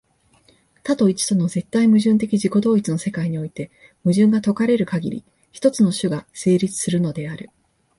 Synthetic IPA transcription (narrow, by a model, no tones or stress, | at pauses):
t̪at̪o̞it͡ɕi̥t̪o̞no̞ze̞t̪ːaimɯ̟ʑɨ̃nt̪̬e̞kʲiʑiko̞d̪o̞ːit͡sɨno̞se̞kaiɲ̟io̞it̪e̞ | mɯ̟ʑɨ̃ŋɡat̪o̞kaɾe̞ɾɯ̟kaɡʲḭɾʲḭ | çi̥t̪o̞t͡sɨno̞ɕɨɡase̞ːɾʲit͡sɨ̥sɨɾɯ̟no̞d̪e̞aɾɯ̟